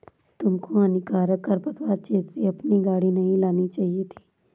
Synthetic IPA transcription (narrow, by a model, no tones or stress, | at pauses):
t̪ʊmkoaːnikaːɾəkːəɾpət̪ʋaːɾt͡ʃeːzseɐpniɡaːɽinɐɦĩlaːnit͡ʃaːɦiet̪ʰi̥ː